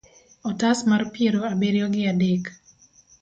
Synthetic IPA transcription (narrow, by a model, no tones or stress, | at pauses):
ɔtasmarpjeɾoabeɾjɔɡɪadek